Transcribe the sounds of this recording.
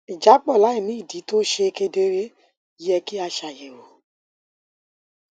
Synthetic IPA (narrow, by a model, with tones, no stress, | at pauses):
i˨d͡ʒa˨˦k͡pɔ˦˨la˨˦i˨ni˦˨di˨˦to˦ʃe˧˦ke˧˦de˦ɾe˦ | jɛ˧ki˦a˧ʃa˨je˨wo˨